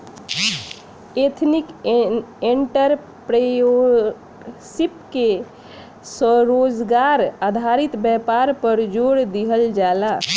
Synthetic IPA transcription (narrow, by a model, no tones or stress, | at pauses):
et̪ʰnik | eɳʈəɾ | pɾəo | sipke | səɾod͡ʒɡaɾad̪ʱaɾit̪bɛpaɾpəɾd͡ʒoɽd̪iɦəld͡ʒala